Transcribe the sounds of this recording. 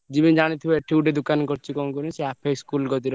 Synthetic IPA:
d͡ʒibid͡ʒaɽ̃it̪ʰibɔeʈʰiɖed̪ukankɔɾt͡ʃʰikɔmkɔɾĩseapʰeskulɡɔt̪iɾɔ

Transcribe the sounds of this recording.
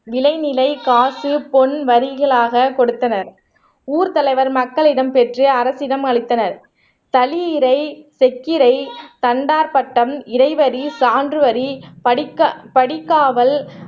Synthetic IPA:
ʋɪlɐɪnɪlɐɪkaːsɯpɔnʋɐɾɪɣɐɭaːɣɐkɔɽɯt̪ːɐnɐɾ | uːɾt̪ɐlɐɪʋɐɾmɐkːɐɭɪɽɐmpɛʈrɯɐɾɐsɪɽɐmɐɭɪt̪ːɐnɐɾ | t̪ɐlɪɪɾɐɪsɛkːɪɾɐɪt̪ɐɳɖaːɾpɐʈːɐmɪɾɐɪʋɐɾisaːndrɯʋɐɾi | pɐɽɪkːaːʋɐl

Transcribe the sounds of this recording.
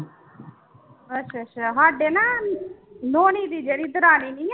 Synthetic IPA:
ətːʃʰaːʃʰaɦaːɖeːnaː | noːniːd̪iːd͡ʒeːɽiːd̪əɾaːniːnĩː

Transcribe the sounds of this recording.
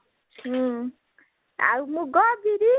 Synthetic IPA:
a̰wmuɡɔbiɾi

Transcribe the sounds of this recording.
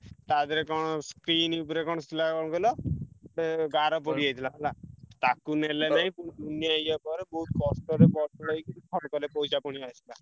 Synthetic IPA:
t̪ad̪eɾekɔɽ̃ɔskɾinupɔɾekɔɽ̃ɔst̪ʰilakɔ̃ɔɡelɔ | ɡaɾɔp̬ɔɽiajt̪ʰilalat̪akunelenaɦĩpund̪unːiajapɔɾebɔɦut̪̚kɔsʈɔɾepɔɾʈɔaikik̪ʰɔɾɔkɔlepɔwt͡ʃʰapɔɽ̃iajt̪ʰila

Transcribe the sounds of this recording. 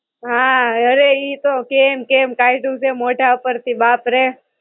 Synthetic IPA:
ɦãəɾeiːt̪okemkemkaiʈũsemoʈaupəɾt̪ʰibaːpɾe

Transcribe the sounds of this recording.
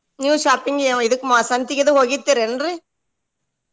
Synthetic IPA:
njuːʃaːɾpɪŋɡɛ̃ɪðɯkːɯmasɐnt̪ɪkːɐðɯɦɔɣɪt̪ːɪɾɛndrɯ

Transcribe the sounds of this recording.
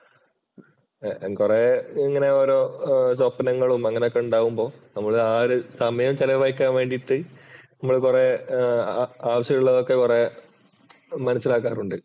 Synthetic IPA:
kureiŋːɐne̞oːɾoːsopːɐnɐŋːɐɭumɐŋːɐneokːeuɳɖaːʋumbo̞ːnɐmːɐɭaːɾɨsɐmɐjɐmt͡ɕɐlɐʋɐjkːaːnʋe̞ːɳɖiʈːɨnɐmːɐɭkure | aːʋɐɕjɐɣɭːɐðokːekure | mɐnɐsːilaːk̬ːaːruɳɖɨ

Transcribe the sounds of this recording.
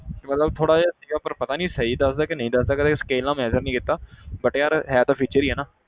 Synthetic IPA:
kɪmət̪ləb̚t̪ʰoːɽaːaːsiːɡaːpəɾpət̪aːnĩːsəiːd̪əsd̪aːkɪnəɦĩːd̪əsd̪aːkɪt̪ʰeːskeːlãːmɛːzəɾnĩːkɪt̪ːaːbəʈeːjaːɾɦɛːt̪ãːpʰiːt͡ʃəɾiːɦɛːnãː

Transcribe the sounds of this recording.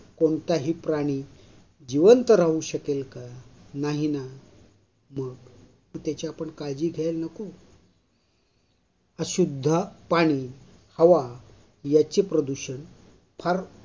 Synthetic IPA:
koɳt̪aɦiːpɾaɽ̃i | d͡ʑiʋənt̪əɾaɦuɕəkelkanaɦina | məɡ | t̪ut̪jat͡ɕaːpəɳkajd͡ʑiːɡʱɛlnəku | əɕud̪ʱːəpaɽ̃iː | həʋa | jat͡ɕepɾəd̪uɕən | pʰaɾ

